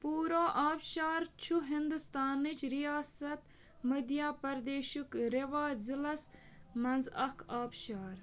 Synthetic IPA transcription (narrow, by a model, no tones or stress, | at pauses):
puːɾoːʔaːbʃaːɾt͡ʃʰuɦind̪ust̪aːnit͡ʃɾijaːsɐt̪ | mɐd̪jaːpɐɾd̪eːʃukɾeʋaːzilɐs | mɐnzɐkʰaːbʃaːɾ